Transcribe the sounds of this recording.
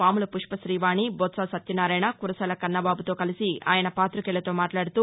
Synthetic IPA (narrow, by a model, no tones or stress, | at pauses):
paːmulɐpuʂpɐʃɾiːʋaːnibɔːt̪sasɐt̪jɐnaːɾɐjnakuɾɐsɐlɐkɐnːɐbaːbut̪o̞ːkɐlisia̰ːjɐnɐpaːt̪ɾukɛɭlːɐt̪o̞ːmaːʈlaːɽut̪uː